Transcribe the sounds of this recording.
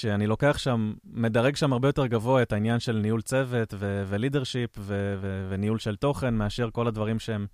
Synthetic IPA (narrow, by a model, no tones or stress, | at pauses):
ʃeanilo̞ke̞aχʃamːe̞daʁeɡʃamaʁbe̞jo̞t̪e̞ʁɡavo̞aet̪ainjanʃe̞lnijult͡se̞ve̞t̪vevelideʁʃipvevevenijulʃe̞lt̪o̞χe̞nmeaʃe̞ʁko̞ladvaʁimʃeem